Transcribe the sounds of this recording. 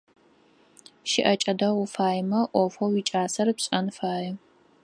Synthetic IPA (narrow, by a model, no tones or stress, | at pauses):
ʃɪʔɐt͡ʃʼɐdɐʁʷʊfaːjmɐʔʷɔfowwit͡ʃʼaːsɐrɨpɕʼɐnfaːjɛ